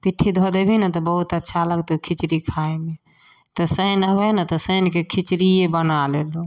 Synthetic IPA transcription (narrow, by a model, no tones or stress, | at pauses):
piʈʰːid̪ʱod̪ebʱinət̪ɔbəɦut̪ətːʃʰaləɡt̪okʰit͡ʃɾikʰaeme | t̪ɔsənəbɛnət̪ɔsənkekʰit͡ʃɾijebənalelo